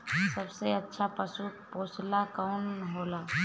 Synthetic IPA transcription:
səbseɐtːʃʰapəsupoːslakɔːnɦoːlaː

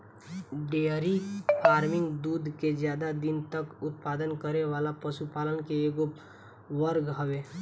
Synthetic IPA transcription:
ɖeːəɾifʰaːɾmɪ̃ŋɡd̪uːd̪ʱked͡ʒjaːd̪ad̪ɪnt̪əkʊt̪̚paːd̪ənkəɾeʋaːlapɐʃupaːlənkeeːɡo | ʋəɾɡɦɐʋeː

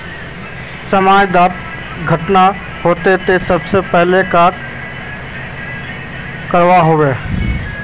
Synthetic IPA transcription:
səmaːd͡ʒd̪aːt̪ | ɡʱəʈna | ɦoːt̪et̪esɐbsepɛɦlekaːk | kəɾʋaɦoːʋeː

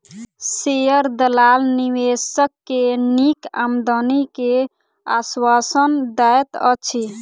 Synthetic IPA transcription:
sejəɾd̪əlalniwesəkːenika̰md̪ənike | a̰swasənd̪ajt̪ə̰t͡ʃʰi

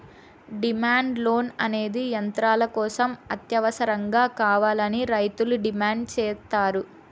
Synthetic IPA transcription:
ɖimaːɳɖlo̞ːnɐne̞ːd̪ijɐnt̪ɾaːlɐkɔːsɐmɐt̪jɐʋɐsɐɾɐŋɡaːkaːʋaːlɐniɾɐjt̪uluɖimaːɳɖ̚t͡ʃɛːst̪aːɾu

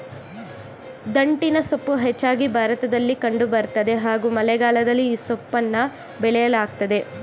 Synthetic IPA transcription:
d̪ɐɳʈinɐsopːuɦet͡ʃːaːɡibʱaːɾɐt̪ɐd̪ɐlːikɐɳɖubɐɾt̪ɐd̪e̞ɦaːɡuːmɐlɛɡaːlɐd̪ɐlːiːsopːɐnːɐ | bɛɭɛjɐlaːɡ̚t̪ɐd̪e̞

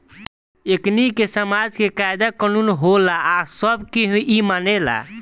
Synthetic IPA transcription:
eknikesəmad͡ʒkekajd̪akənunɦolaːsəbkiɦũimanela̰

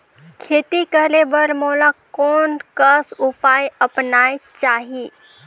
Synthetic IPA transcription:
kʰeːt̪ikəɦlebəɾmoːlakɔːnkəsʊpaːjəpnaːet͡ʃaːɦi

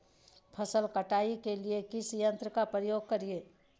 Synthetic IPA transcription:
pʰəsəlkɐʈaːikeliekɪsjə̃nt̪ɾəkapɾəjoːɡ̚kɐɾieː

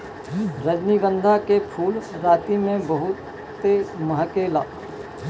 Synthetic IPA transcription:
ɾəd͡ʒniɡə̃nd̪ʱakepʰuːlɾaːt̪imẽbəɦʊt̪ː | emɐɦəkelaː

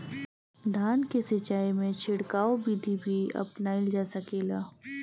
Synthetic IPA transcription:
d̪ʱaːnkesɪt͡ʃaːimẽt͡ʃʰɪɽkaːobiːd̪ʱibʱiɐ̰pnaild͡ʒaːsɐkeːlaː

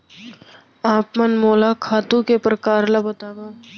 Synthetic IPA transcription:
aːpmɐnmoːlakʰaːt̪ũkepɾɐkaːɾlɐbət̪aːd̪oː

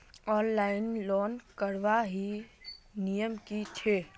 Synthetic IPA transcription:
ɔːnlaːɪnlɔːnkəɾʋaɦi | nijəmkit͡ʃʰeː

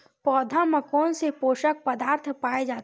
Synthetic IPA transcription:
pɔːd̪ʱaməkɔːnsepoːʃək̚pəd̪aːɾt̪ʰpaːed͡ʒaːt̪

